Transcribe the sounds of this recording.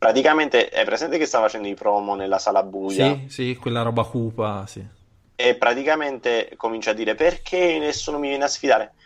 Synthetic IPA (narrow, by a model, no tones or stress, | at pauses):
pɾat̪ikament̪eɛ̰pːɾesɛnt̪ekest̪aːfafat͡ʃɛnd̪oipɾɔːmonelːasaːlabːuːjasikwelːaɾɔːbakuːpasi | epːɾat̪ikament̪ekomint͡ʃad̪ːiːɾeperk̟ʰenːesːuːnomivjɛneasfid̪aːɾe